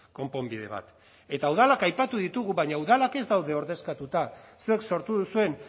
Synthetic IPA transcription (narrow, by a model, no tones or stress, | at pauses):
ko̞mpo̞mbið̞e̞̰β̞a̰t̪ | e̞t̪auðalakajpat̪uðit̪uɣuβaɲauðalake̞zd̪awð̞e̞o̞ɾðe̞skat̪ut̪asue̞kso̞ɾt̪uðusue̞n